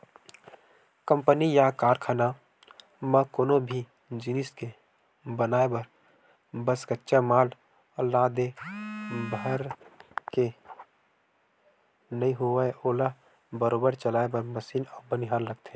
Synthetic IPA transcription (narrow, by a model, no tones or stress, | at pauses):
kə̃mpənijakaːɾkʰaːna | mə̃koːnobʱi | d͡ʒiniske | bənaːebəɾ | bəskətːʃamaːl | əlːaɦd̪e | bʱəɾke | nəɦĩɦoaeʔoːla | bəɾoːbəɾt͡ʃəlaːebəɾməsiːnɔːbəniɦaːɾləɡ̚t̪ʰẽ